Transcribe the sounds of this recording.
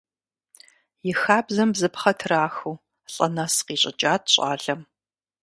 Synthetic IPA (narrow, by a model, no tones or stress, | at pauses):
jɪxaːbzɐmbzɨpχɐtʰraːxuː | ɬʼɐ̰nasqiːɕʼɪ̰t͡ʃʼaːt̚ʰɕʼa̰ːɮɐm